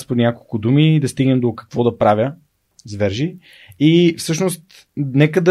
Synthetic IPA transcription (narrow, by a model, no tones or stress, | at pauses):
sponʲjakolˠkʊd̪umid̪ɐst̪iɡnɛmd̪okɐ̥kvɔd̪ɐpɾavʲə | zvɛɾʒi | ifsɤʃnost̪ | nɛkəd̪ɐ